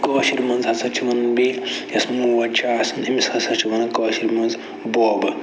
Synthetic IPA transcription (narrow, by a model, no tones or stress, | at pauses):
kɔːʃiɾmɐnzhɐsɐt͡ʃʰiʋɐnbiːljɐsmuʋɐt͡ʃaːsɐnimishɐsɐt͡ʃʰiʋɐnɐkɐːʃiɾmɐnz | boːbɨ